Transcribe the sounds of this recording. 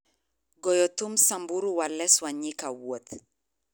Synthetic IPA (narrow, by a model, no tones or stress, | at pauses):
ɡɔjɔt̪umsambuɾuwalɛswaɲikawot̪